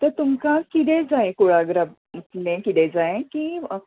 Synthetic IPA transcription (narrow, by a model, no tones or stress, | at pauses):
t̪əɾt̪umkakit̪ẽd͡zaekuɭaɡɾəb | ut̪lẽkit̪ed͡zaẽkiə